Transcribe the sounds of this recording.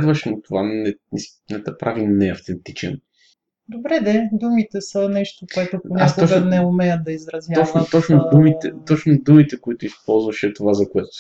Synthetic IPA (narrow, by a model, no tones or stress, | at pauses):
d̪vɐʃɛnot̪ovanɛnis | nɛt̪ɐpɾʔavinɛɐft̪ɛnt̪it͡ʃɛ̰n | d̪obɾɛd̪ɛd̪umit̪ɛsɐnɛʃt̪okoɛt̪oponʲak̪ɔt͡ʃɡənɛomɛjəd̪ɐizɾɐzvʲjaɔt͡ʃnot̪ɔt͡ʃnod̪umit̪ɛt̪ɔt͡ʃnʊd̪umit̪ɛkʊit̪ʊispɔlˠzvɐʃɛt̪ovazɐkoɛt̪o̥